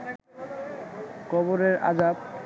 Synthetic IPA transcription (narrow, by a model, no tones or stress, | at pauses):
kɔboɾeɾa̰d͡ʑab̚